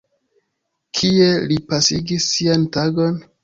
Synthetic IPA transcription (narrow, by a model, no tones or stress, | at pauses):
kʰie̞lipasiɡisːiantaɡon